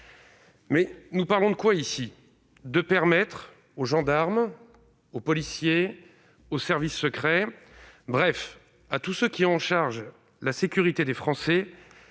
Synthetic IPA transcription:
mɛnupaʁlɔ̃d̪əkwaisi | d̪əpɛʁmɛt̪χ | oʒɑ̃d̪aʁm | opɔlisje | osɛʁvisːəkχɛ | bʁɛf | at̪usøkʲiɑ̃ʃaʁʒ | lasekʲyʁit̪ed̪efχɑ̃sɛ

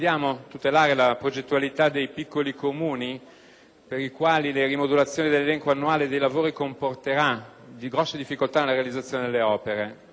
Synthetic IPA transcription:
d̪jaːmot̪ut̪elaːɾelapɾod͡ʒet̪ːualit̪ad̪ejpikːolikomuːni | peɾikwaːlilerimod̪ulat̪sːjoːnid̪elːelɛŋkwanːuaːled̪ejlavoːɾikomport̪eɾa | d̪iɡɾɔsːed̪ifːikolt̪anelaɾealid̪zːat̪sːjoːned̪elːeɔːpeɾe

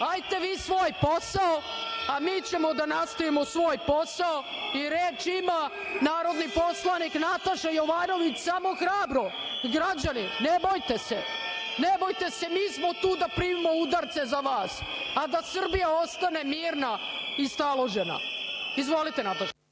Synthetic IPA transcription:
ajt̪e̞ʋiːsʋoːjpo̞sao | amiːt͡ɕe̞mo̞d̪anast̪oimosʋo̞ːjpo̞sao | iɾet͡ʃima | naːɾo̞d̪nipo̞slˠaniknat̪aʃajo̞ʋaːno̞ʋit͡ɕsamo̞xɾaːbɾo̞ɡɾad͡ʑaninebojt̪esḛnebo̞jt̪e̞se̞miːsmo̞t̪uːd̪apɾiːmimoud̪aɾt̪se̞zaʋaːsad̪asr̩bijao̞st̪ane̞miːɾna | ist̪alˠo̞ʒena̰izʋo̞lit̪enat̪aʃe

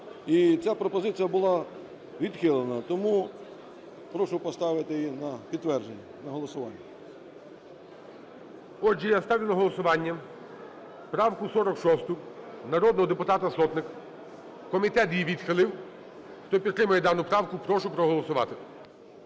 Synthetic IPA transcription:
it͡sʲapɾɔpɔzɪt͡sʲijɐbʊlˠɑ | ʋʲid̪xɪlˠenɐt̪ɔmu | pɾɔʃʊpɔst̪ɑʋɪt̪ɪjinɐpʲid̪t̪ːʋɛrd͡ʒenʲːɐnɐɦɔlˠɔsʊʋɑnʲːɐ | ɔd͡ʒijast̪ɑʋʲiwnɐɦɔlˠɔsʊʋɑnʲːɐ | pɾɑwkʊsɔɾɔkʃɔst̪ʊnɐɾɔd̪nɔɦɔd̪epʊt̪ɑt̪ɐsɔt̪nɪk | kɔmʲit̪ɛt̪jiʋʲid̪xɪlˠɪw | xt̪ɔpʲid̪t̪ɾɪmɐjɛd̪ɑnʊpɾɑwkʊpɾɔʃʊpɾɔɦɔlˠɔsʊʋɑ̰t̪ɪ

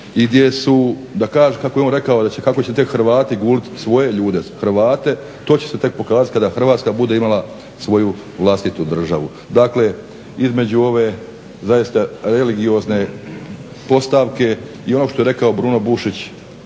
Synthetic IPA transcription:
iɡd̪je̞su | d̪akaːʒekakojonɾe̞kao̞d̪at͡ɕekako̞t͡ɕet̪e̞kxɾʋaːt̪iɡuːlit̪sʋo̞je̞ʎuːd̪e̞xrʋaːt̪e̞ | t̪o̞ːt͡ɕeset̪e̞k̚po̞kaːzat̪̚ʲkad̪axr̩ʋaːt̪skabud̪e̞imalˠa | sʋo̞ju | ʋlˠast̪it̪ud̪r̩ʒa̰ʋu | d̪akle̞ | izme̞d͡ʑuo̞ʋe̞ | zajist̪aɾeliɡio̞zne̞ | po̞st̪aʋke̞ | io̞no̞ʃt̪o̞jeɾe̞kao̞bɾuno̞buʃit͡ɕ

